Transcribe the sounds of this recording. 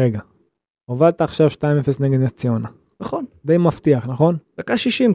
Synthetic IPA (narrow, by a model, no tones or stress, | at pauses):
ʁeɡa | ovad̪t̪aːχʃavʃtaimefesneɡed̪nat͡siona | naχond̪ejmaft̪iaχnaχo̞ndakaʃiʃim